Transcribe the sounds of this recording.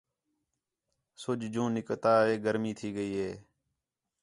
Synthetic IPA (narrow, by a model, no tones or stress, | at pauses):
sʊd͡ʒd͡ʒũːnɪkt̪aːɦeːɡəɾmiːt̪ʰiːɡəiːɦeː